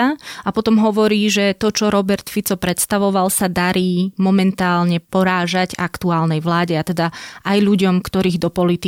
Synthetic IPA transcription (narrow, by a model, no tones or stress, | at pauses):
aapɔt̪ɔmɦɔʋɔɾiːʒɛt̪ɔt͡ʃɔɾɔbɛɾt̪fit͡sɔpɾɛt̪st̪aʋɔʋalsad̪aɾiːmɔmɛnt̪aːlɲɛpɔɾaːʒaɟa̰kt̪uaːlnɛjʋlaːɟɛat̪ɛd̪aʔajʎuɟɔmkt̪ɔɾiːɣd̪ɔpɔlit̪i